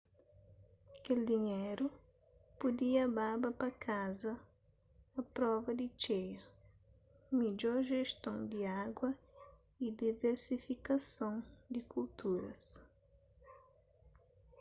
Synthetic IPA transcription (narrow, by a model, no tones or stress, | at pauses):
keld̪iɲeɾu | pud̪iɐbabɐpɐkazɐː | pɾɔvɐd̪it͡ʃejɐ | mid͡ʒɔɾʒeʃt̪õwd̪iaɡwɐ | id̪iveɾsifikɐsõwd̪ɪkult̪uɾɐ̰s